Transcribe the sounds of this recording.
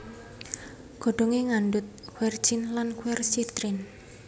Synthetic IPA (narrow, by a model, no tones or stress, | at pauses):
ɡ̥o̤ɖ̥o̤ŋeŋanɖʊt̪̚kwɛr̥d͡ʒinlankwɛrsit̪ɾin